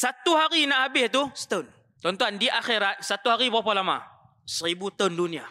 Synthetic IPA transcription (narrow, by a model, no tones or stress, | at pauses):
sat̪ːuɦaɾinahabiht̪̬ust̪ən | t̪ɔnt̪ɔandiʔaxiɾat̪̚sat̪ːuɦaɾipɔpɔlama̰ | səɾibut̪əndunia